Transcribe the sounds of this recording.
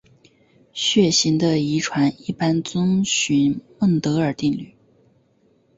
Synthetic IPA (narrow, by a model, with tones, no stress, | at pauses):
ɕɥɛ˥˩ɕi˧˥ŋd̪ə˧i˧˥ʈ͡ʂʰwa˧˥ni˥˩pa˥nt͡sʊ˥ŋɕy˧˥nmə˥˩ŋt̪ɤ˧˥ə˞˨˩t̪i˥˧ŋly̰˥˩